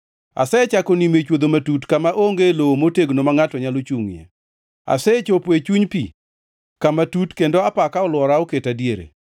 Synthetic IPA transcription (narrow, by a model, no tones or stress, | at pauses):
a̰sɛt͡ʃakonimet͡ʃwod̪omatutkamaʔoŋɡelowomoteɡnomaŋatɔɲalot͡ʃuŋjḛ | a̰sɛt͡ʃopet͡ʃuɲpi | kamatutkendoapakaɔlwɔɾaoketadjeɾḛ